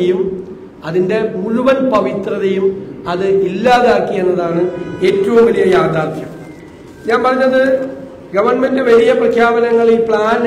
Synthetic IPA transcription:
ejum | ɐðinde̞muɭuʋɐnpɐʋit̪rɐðɐjumɐðɨilːaːðaːkːije̞nːɐðaːɳɨe̞ːtːɐʋumʋɐlijɐjaːd̪aːrt̪ʰjɐm | ɲaːnpɐrɐɲːɐðɨ | ɡɐʋɐrɳme̞ndɨʋɐlijɐprɐkʰjaːbɐnɐŋːɐɭilpɭaːn

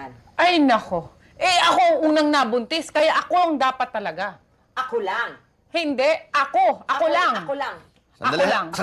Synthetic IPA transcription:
ʔɐjnɐko̞ | ʔɛɐko̞ʔuŋnɐŋnabʊnt̪ɪskɐjaʔɐko̞ʔɐŋd̪aːpɐt̪ːɐlɐɡa | ɐkoaŋ | hɪnd̪ɛʔʔɐko̞ʔɐkolaŋŋ | ʔɐolaŋs

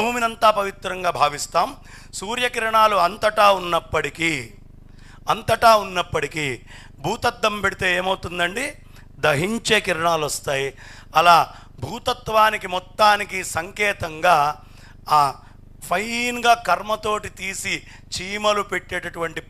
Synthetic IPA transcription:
uːminɐnt̪aːpɐʋit̪ɾɐŋɡaːbʱaːʋist̪aːm | suːɾjɐkiɾɐɳaːluɐnt̪ɐʈaːunːɐpːɐʈikiː | ɐnt̪ɐʈaːunːɐpːɐʈikiː | bʱuːt̪ɐt̪ːɐmpeɽit̪eːeːmɐwt̪und̪ɐɳɖi | d̪ɐɦiɲt͡ʃe̞ːkiɾɐɳaːlɐst̪aːji | ɐlaː | bʱuːt̪ɐt̪ʋaːnikimɔt̪ːaːnikisɐŋkɛːt̪ɐŋɡaː | pʰɐjnɡaːkɐɾmɐt̪o̞ːʈit̪iːsi | t͡ʃiːmɐlupe̞ʈːɛːʈɐʈuʋɐɳʈi

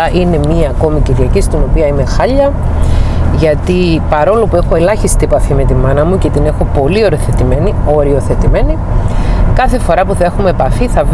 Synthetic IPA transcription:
ʔine̞miɐːko̞miciɾʝɐcist̪ino̞piɐime̞xɐʎːɐ | ʝɐt̪ipɐɾo̞lopue̞xo̞e̞lɐçist̪iepɐfime̞t̪imːɐnɐmuce̞t̪ine̞xo̞po̞lio̞ɾioθe̞t̪imenio̞ɾio̞θe̞t̪ime̞ni | kɐθe̞fo̞ɾɐpuθɐe̞xumepɐfiθɐv

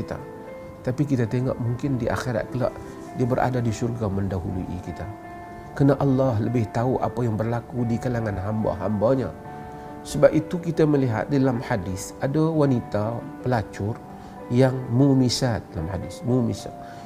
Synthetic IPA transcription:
it̪a̰ | t̪apikit̪at̪eŋɔ̰ʔmuŋkɪndiʔa̰xeɾa̰t̪̚kəla̰ʔ | diabəɾʔa̰dadisurɡaməndaɦuluʔḭkit̪a | kənaʔɑlːɑɦləbɪht̪auʔa̰pajaŋbərlakudikalaŋanɦamba̰ɦambaɲa̰ | səbap̚it̪ukit̪aməliɦa̰t̪̚daalamħadɪsadawanit̪a | pəlat͡ʃʊr | jaŋmumisat̪̚dalamħadɪsmumisa̰t̪̚

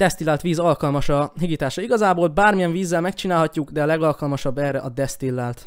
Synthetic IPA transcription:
d̪ɛst̪ilːaːlt̪ʋiːzɒlkɒlmɒʃɒɦiɡit̪aːʃɒiɡɒzaːboːlbaːrmijɛɱviːzːɛlmɛkt͡ʃinaːlɦɒcːuɡd̪ɛɒlɛɡɒlkɒlmɒʃɒbːɛːrːɛʔɒd̪ɛst̪ilːaːlt̪

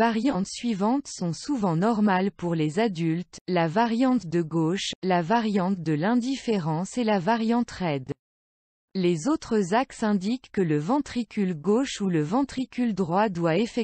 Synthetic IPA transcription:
aʁjɑ̃t̪sɥivɑ̃t̪sɔ̃suvɑ̃nɔʁmalpuʁlezad̪ylt̪lavaʁjɑ̃t̪d̪əɡoʃlavaʁjɑ̃t̪̚d̪əlɛ̃d̪ifeʁɑ̃selavaʁjɑ̃t̪ʁɛd̪ | lezot̪χəzaksɛ̃d̪ikːələvɑ̃t̪χikʲylɡoʃuləvɑ̃t̪χikʲyld̪ʁwad̪waefɛ

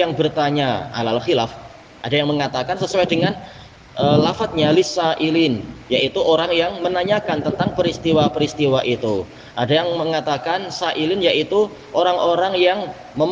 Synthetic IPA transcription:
aŋbərt̪aɲaa̰lalχilaf | ʔadajaŋməŋat̪akansəsuwajdəŋan | ʔəlafat̪̚ɲalisaʔilɪnjaʔit̪uʔoɾaŋjaŋmənaɲakant̪ənt̪aŋpəɾist̪iwapəɾist̪iwaʔit̪u | ʔadajaŋməŋat̪akansaʔilɪnjaʔit̪u | ʔoɾaŋʔoɾaŋjaŋ | məm

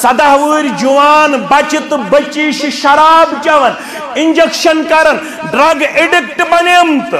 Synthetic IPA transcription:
sɐd̪aɦʋɨɾʲd͡ʒuʋaːnbat͡ʃit̪bɐt͡ʃiʃiʃɐɾaːbd͡ʒɐʋɐn | iɲd͡ʒekʃɐnkɐɾɐn | ɖɾaɡeɖik̚ʈpɐnemt̪

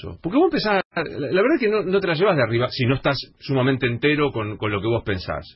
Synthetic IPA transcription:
o̰poɾkeβoempesalaβeɾðaekeno̞no̞t̪e̞laʒeβaɦðeariβasino̞eht̪asːumamẽnt̪eːnt̪eɾo̞ko̞nko̞nlo̞ke̞βo̞spe̞nsa̰s

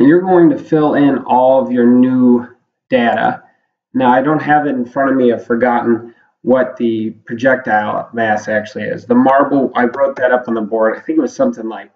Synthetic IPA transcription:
jə˞ɡoʊɪ̃ŋtɨfɪlˠɪ̃nɔlˠʌvjə˞nu | d̥eɪɾə̰ | naʊaɪɾõʊ̃nt̚ɦɨvɨɾ̃n̩fɹʌ̃ɾ̃ʌvmiɨ̥fə˞ɡɑʔn̩ | wʌt̪̚ðɨpʰɹ̥ɨd͡ʒɛk̚taɪl̰ˠvæsæk̚t͡ʃʉl̩ˠiɪ̰zðəmɑɹbl̩ˠaɪbɹoʊt̪̚ðɨɾʌpn̩ðəbɔɹdaɪθɪ̃ŋkʌz̥sʌ̃mθɪ̃ŋlaɪk̚

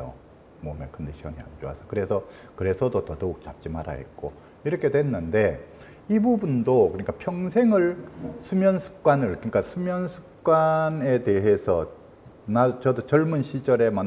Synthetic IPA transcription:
o̰ | mʌmekʰɯndeɕʰiʌ̰nia̰nd͡ʑo̰a̰sʰʌkɯɾe̞sʰʌ | kɯɾe̞sʰʌdotʌtouk̚t͡ɕap̚t͡ɕ͈imaɾa̰ɦḛt̚k͈o̰ | iɾʌkʰe̞dwenːɯnde̞ | ibubundokɯɲik͈apʰjʌŋsʰe̞ŋɯɭsʰumjʌnsʰu̥k̚k͈wanɯɭkɯɲik͈asʰumjʌnsʰu̥k̚k͈wane̞de̞ɦe̞sʰʌ | nat͡ɕʌdot͡ɕʌɭmunɕʰid͡ʑʌɾe̞man

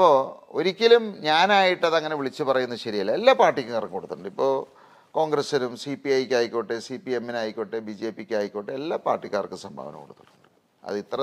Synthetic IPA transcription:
ɐpːo̞o̰ɾikʲːilumɲaːnaːjiʈːɐðɐŋːɐneʋiɭit͡ɕːɨpɐrɐjunːɐɕɐɾijɐlːelːaːpaːrʈːikʲːɨŋɐrkɨkoɽut̪ːuɳɖɨipːo̞ː | ko̞ːŋɡrɐsɐnumsipiɐjkʲːaːjkʲːoːʈːesipiemːinaːjikʲːoʈːebid͡ʑe̞ːpːikʲːaːjikʲːoːʈːeelːaːpa̰ːrʈːikʲːaːrkːɨsɐmbʱa̰ːʋɐnɐ̰mkoɽut̪ːuɳːuɳɖɨ | ɐ̰ðit̪rɐ

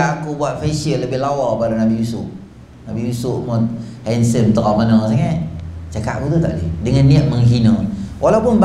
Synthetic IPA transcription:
akubuat̪̚fesiələbɪhlawɔpadanabijusʊʔ | nabijusʊʔmɔhɛnsəmt̪əʔɔmanɔsaŋat͡ʃaka̰ʔ̚kut̪ut̪aʔlidəŋanːiəʔ̚məŋɦinəwʔalaupʊnb

